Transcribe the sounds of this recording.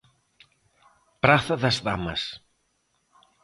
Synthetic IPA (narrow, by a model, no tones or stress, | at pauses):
pɾaθɐðɐsða̰mɐ̰s